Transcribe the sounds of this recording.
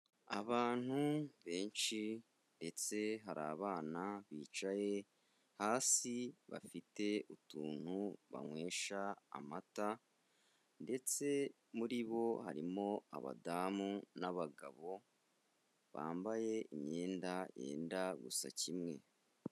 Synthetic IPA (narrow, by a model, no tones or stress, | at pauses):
aβaːn̥huβe̞ːnʃi | nde̞t͡se̞ɦaɾaːβaːnaβiːt͡ʃaje̞ | haːsiβa̰fite̞utuːn̥huβa̰ŋwe̞ːʃa̰ːmata | nde̞t͡se̞ | muɾiβo̞ha̰ɾimo̞a̰βa̰daːmunaβaɡaβo̞ | βa̰ːmbaje̞imɲe̞ːndaje̞̰ːndaɡusa̰cimŋe̞̰